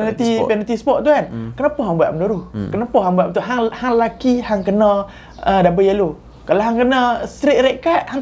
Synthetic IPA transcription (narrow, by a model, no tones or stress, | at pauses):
nat̪ipɛnat̪ispɔʔ̚t̪ukankənapɔɦaŋbua̰ʔmənuɾuhkənapɔhɦaŋbuaʔut̪uʔɦaŋhaŋlakihaŋkənɔ | ədabəjalu | kaloɦaŋkənɔst̪ɾiʔ̚ɾeʔkaʔhaŋ